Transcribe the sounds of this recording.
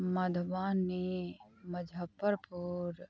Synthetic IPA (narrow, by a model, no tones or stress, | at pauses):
mad̪ʱʋaːnːiməd͡ʒʱapːəɾpuɾ